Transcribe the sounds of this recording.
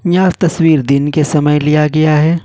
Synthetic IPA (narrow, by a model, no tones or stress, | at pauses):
jaːzt̪ɐswiːɾd̪ɪnkesɐməjlijaɡɐjaɦɛː